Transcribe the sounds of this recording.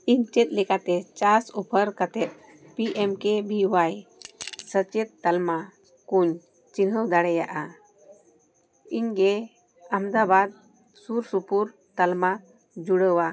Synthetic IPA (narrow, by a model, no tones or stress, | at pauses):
int͡ʃet̪̚lekat̪et͡ʃasupʰəɾkət̪ɛt̪̚ | piʔemkebʱiʋajsət͡ʃet̪ːəlma | kuɲ | t͡ʃinɦəwd̪aɽɛjaʔa | iŋɡe | amd̪abad̪̚ | suɾsupuɾ | t̪əlma | d͡ʒuɽəwa